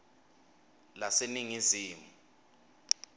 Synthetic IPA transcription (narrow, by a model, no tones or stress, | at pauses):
laseniŋiziːmu